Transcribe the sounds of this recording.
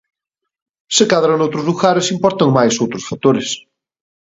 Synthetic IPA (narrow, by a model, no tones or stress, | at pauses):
sekaðɾanowt̪ɾozluxaɾesimpɔɾt̪aŋmajsowt̪ɾosfak̚t̪oɾes